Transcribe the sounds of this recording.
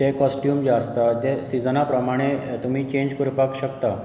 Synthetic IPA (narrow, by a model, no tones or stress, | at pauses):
t̪ekɔsʈjuːmd͡ʑast̪at̪esid͡zənapɾəmaɽ̃et̪um̤iːt͡ɕẽɲd͡ʑkuɾupakɕəkt̪a